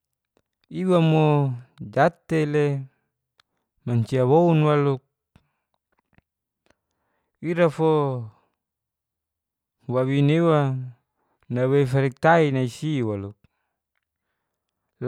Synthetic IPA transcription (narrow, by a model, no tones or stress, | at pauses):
iwamod͡ʒat̪ele | maɲt͡ʃiawounwaluk̚ | iɾafo | wawinewa | nawefaɾik̚t̪ainaisiwaluk̚